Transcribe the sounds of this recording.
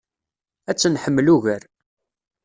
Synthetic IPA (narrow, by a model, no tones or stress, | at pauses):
æt͡sːənħəmːluʝəɾ